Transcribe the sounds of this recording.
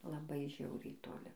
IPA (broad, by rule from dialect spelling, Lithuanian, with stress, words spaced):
lˠɐˈbɐɪ ˈʒʲɛʊrʲɛɪ toːˈlʲɪ